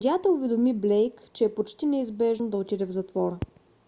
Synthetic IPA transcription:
dʲat̪ɐʊvɛd̪omiblɛjkt͡ʃɛːpot͡ʃt̪inɛizbɛʒnod̪ɐot̪id̪ɛvzɐt̪vɔɾə

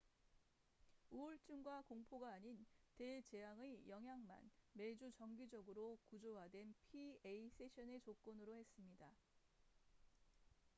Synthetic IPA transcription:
uuɭt͡ɕ͈uŋɡwakoŋpʰoɡaːɲintet͡ɕe̞ɦaŋejʌŋɦjaŋma̰nme̞d͡ʑut͡ɕʌŋɡid͡ʑʌɡɯɾokud͡ʑowɦadwe̞npʰieis͈ʰe̞ɕʰʌne̞t͡ɕok͈onɯɾohe̞s͈ɯmɲida

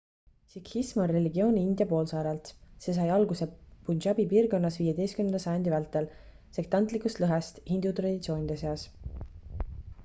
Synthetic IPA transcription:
sikhismonre̞lʲiɡio̞ːnʲiind̪ʲjɑpo̞ːlsɑːɾɑlt̪se̞s̬ɑjɑlɡuse̞punʃɑbipiːrɡo̞nːɑsviːje̞d̪e̞jst̪kymnend̪ɑsɑjɑnd̪ivælt̪ːˑe̞l | se̞k̚t̪ɑnt̪ˑlikust̪lɤɦest̪hind̪ut̪rɑd̪ʲit̪sioːnʲid̪ese̞ɑs

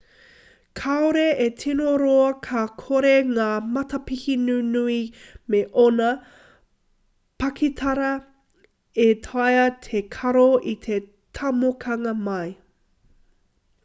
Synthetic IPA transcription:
kʰaoɾeetʰinoɾoɐkʰɐkʰoɾeŋaːmɐtɐpihinʉnuimeʔonɐ | pɐkʰit̪ʰɐɾɐ | et̪ʰɐjɐt̪ʰekʰɐɾoit̪ʰe | t̪ʰɐmokʰɐŋɐmɐj

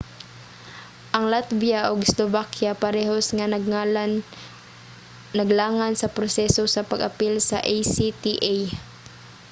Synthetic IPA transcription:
ʔɐŋlat̪̚bijaʔoɡslovakjapɐɾɛːɦosŋanɐɡ | nɐɡlaːŋansɐpɾosɛsosɐpɐɡɐpilsɐ̰ʔajsit̪iʔaj

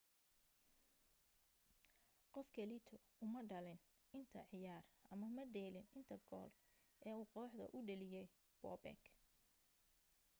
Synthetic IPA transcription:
qɔfkʰɐlit̪ʰɔ | ʊmɐɖɐlɪn | ʔɪnt̪ʰɐʕɪjaːrʔɐmɐmɐɖɛːlɪnɪnt̪ʰɐɡɔ̰ːl | ɛːuːqɔːħd̪ɐ̰ʔʊɖɐlɪjɛj | b̥ɔ̰ːbɛ̰k

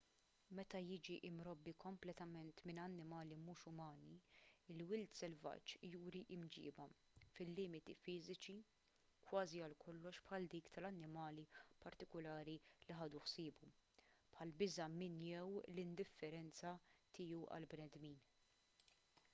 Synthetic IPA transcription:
mɛt̪ɐjɪd͡ʒiʔɪmɾɔbːikɔmplɛt̪ɐmɛnt̪mɪnɐnːɪmɐːlimuːʃʊmɐːniɪlwɪlt̪sɛlvɐ̰t͡ʃːjuːɾiʔɪmd͡ʒɪ̰ːbɐ | fɪlːɪːmɪt̪ifɪːzɪt͡ʃi | kwɐːziɐlkʰɔlːɔʃpħɐld̪iːkt̪ɐlɐnːɪmɐːlipɐɾt̪ɪkʊlɐːɾiliħɐːd̪uħsɪːbupħɐlbɪzɐmɪnjɛwlɪnd̪ɪfːɛɾɛnt͡sɐt̪ɪːjuʔɐ̰lbnɛd̪miːn

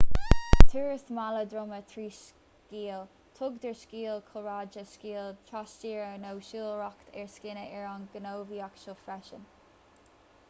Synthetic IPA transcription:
t̪ʰuːɹəsmaləd̪ɹʊmət̪ʰɹiːʃ | kiːl | t̪ʰʊɡd̪əɹskiːlkʰʊɹaːd͡ʒəskiːlt̪ʰɹast͡ʃiːɹənowʃiːlˠɹɔkt̪ʰɛɹskɪnəʔɛɹɑnɡənoːviːakʃoːfɾɛʃən

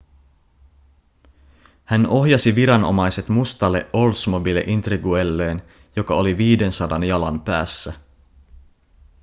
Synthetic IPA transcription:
hæno̞ɦjɑsiʋiɾɑno̞̰mɑjse̞t̪must̪ɑlːe̞̰ʔo̞lsmobilːeʔint̪riɡuelːeːn | jo̞kɑoliʋiːde̞nsɑdɑnjɑlɑmpæ̰ːsːæ

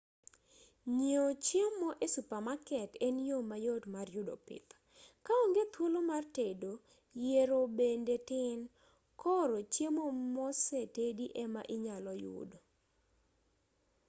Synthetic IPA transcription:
ɲiot͡ʃjemoʔesupamakɛtenjomajotmarjʊdopɪ̰t̪ | kaoŋɡet̪wolomartedo | jeɾobendetɪn | kɔɾot͡ʃjemomɔsɛtediʔɛma̰ʔiɲalɔjʊ̰do

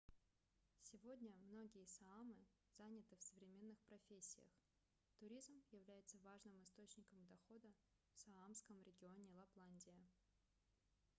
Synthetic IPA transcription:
sʲɪvo̞dʲnʲəmno̞ɡʲɪjəsɐamɨ | zanʲɪt̪ɨfsəvɾʲɪmʲe̞nːɨxpɾɐfʲesʲːɪ̰jə̰x | t̪ʊɾʲizmjɪvlʲæjɪt̪səvaʐnɨmɨst̪o̞t͡ɕnʲɪkəmd̪ɐxo̞d̪ə | fsɐamskəmɾʲɪɡʲɪo̞nʲɪlˠɐplˠanʲdʲɪjə

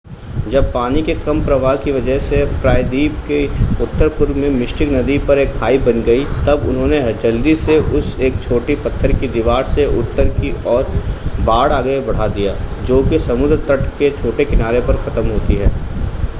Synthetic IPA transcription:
d͡ʒɐb̚paːnikekɐmpɾɐʋaːɦkiʋɐd͡ʒəɦsepɾaːɪd̪iːbkeʊt̪ːəɾpʊɾmẽmɪʃʈɪknɐd̪ipɐɾeːkʰːaːibɐnɡɐit̪ɐbʊ̰nɦõːneɦɐd͡ʒɐld̪iseʔʊseːk̚t͡ʃʰoːʈipɐt̪ʰːəɾkid̪ɪʋaːɾseʔʊt̪ːəɾkiɔːɾbaːɽaːɡəebɐɽ̤ad̪ijaːd͡ʒoːkesɐmʊd̪ɾət̪ɐʈket͡ʃʰoːʈekɪnaːɾepɐɾxʰɐt̪əmɦoːt̪iɦɛː

